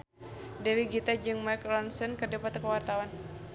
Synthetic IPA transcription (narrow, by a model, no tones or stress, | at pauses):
dɛwiɡit̪ad͡ʒɨŋmaklɔnsənkədapat̪kəwart̪awan